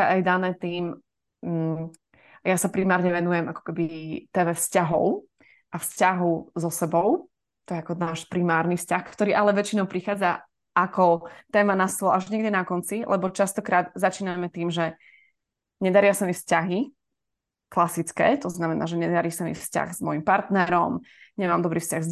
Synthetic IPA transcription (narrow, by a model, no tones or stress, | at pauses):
ɛʔajd̪anɛːt̪iːm̩ | ajasapɾimaːɾɲɛʋɛnujɛmʔakɔ̥kɛbit̪ɛːmɛfscaɦɔ̰ʊ | ʔafscaɦɔʊzɔsɛbɔʊ | t̪ɔjɛakɔnaːʃpɾimaːɾnifscaxkt̪ɔɾiːʔalɛʋɛt͡ʃinɔʊpɾixaːd͡za | akɔt̪ɛːmanast̪lɔaʒɲɛɡɟɛnakɔnt͡silʔɛ̰bɔt͡ʃast̪ɔkɾaːd̪zat͡ʃiːnamɛt̪iːmʒɛ | ɲɛd̪aɾɪasamifscaɦi | klasit͡skɛ̰ːt̪ɔznamɛna̰ːʒɛɲɛd̪aɾisamḭfsca̰ɣz̥mɔjimpaɾt̪nɛɾɔmɲɛmaːmd̪ɔbɾiːfscaɣz